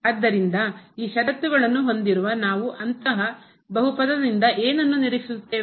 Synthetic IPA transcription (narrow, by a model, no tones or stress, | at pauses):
aːd̪ːɐɾind̪ɐiːʃɐɖɐt̪ːuɡɐɭɐnːuɦo̞nd̪iɾuʋɐnaːʋuʔɐnt̪ɐɦɐ | bɐɦupɐd̪ɐd̪ind̪ɐʔeːnɐnːuniɾiki̥sut̪ːeː